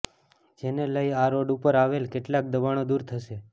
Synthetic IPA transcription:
d͡ʒeneləiaɾoɖupəɾaʋelkeʈlak̚d̪əʋaɽ̃od̪uɾt̪ʰəʃe

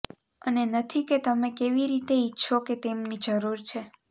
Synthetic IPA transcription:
ənenət̪ʰiket̪əmẽkeʋiɾit̪eitːʃʰoket̪emnid͡ʒəɾuɾt͡ʃʰe

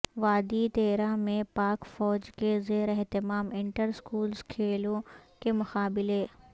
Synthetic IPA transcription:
ʋaːd̪it̪eːɾãmẽpaːkfɔːd͡ʒkezeːɾɛɦt̪ɪmaːmɪ̃ɳʈəɾskuːlskʰeːlõkemʊxaːbɪleː

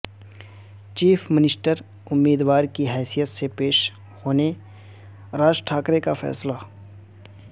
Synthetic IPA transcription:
t͡ʃiːfʰmɪnɪsʈəɾ | ʊmːiːd̪waːɾkiɦɛːsijət̪sepeːʃ | hoːne | ɾaːd͡ʒʈʰaːkɾekafʰɛ̰ːsla

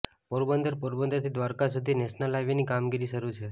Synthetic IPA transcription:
poɾbənd̪əɾpoɾbənd̪əɾt̪ʰid̪ʋaɾkasud̪ʱinɛsnəlaʋjenikamɡiɾiʃəɾut͡ʃʰe

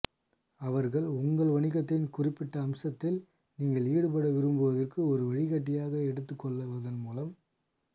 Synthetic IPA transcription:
ɐʋɐɾɣɐɭʊŋɡɐɭʋɐɳɪɣɐt̪ːɪnkʊrɪpːɪʈːɐːmsɐt̪ːɪl | niːŋɡɐɭiːɽɯpɐɽɐʋɪɾɯmbɯʋɐðɐrkɯɔɾɯʋɛɻɪkɐʈːɪjaːɣɐɛɽɯt̪ːɯkːɔɭːɐʋɐðɐnmuːlɐm

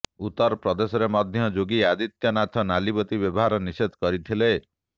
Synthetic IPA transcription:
ut̪ːɔɾɔpɾɔd̪esɔɾemɔd̪ʱjɔd͡ʒoɡiad̪it̪jɔnat̪ʰɔnalibɔt̪ibjɔbɔɦaɾɔniset̪kɔɾit̪ʰile

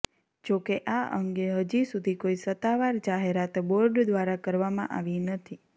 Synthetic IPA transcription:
d͡ʒokeʔaʔə̰ŋɡeɦəd͡ʒisud̪ʱikoisət̪ːaʋaɾd͡ʒaɦeɾat̪boɾɖd̪ʋaɾakəɾʋamã̰ʔa̰ʋinət̪ʰi

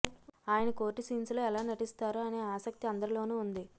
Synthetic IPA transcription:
aːjɐnɐko̞ːɾʈːisiːnsloːɛlaːnɐʈist̪aːɾuɐne̞ːaːsɐk̚t̪iɐnd̪ɐɾilo̞ːnuːund̪i

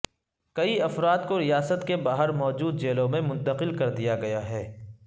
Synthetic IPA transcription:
kɐiɐfɾaːd̪koɾijaːsət̪kebaːɦəɾmɔːd͡ʒuːd̪̚d͡ʒeːlõmẽmʊ̃nt̪əqɪlkɐɾd̪ijaɡɐjaɦɛː

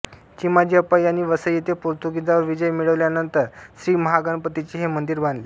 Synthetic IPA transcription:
t͡ɕimad͡ʑiəpajaɽ̃iʋəsəjjet̪epoɾt̪uɡid͡z̪aʋəɾʋid͡ʑəjmiɭəʋljanənt̪əɾɕɾiːməɦaɡəɳpət̪it͡ɕiɦemənd̪iɾband̪le

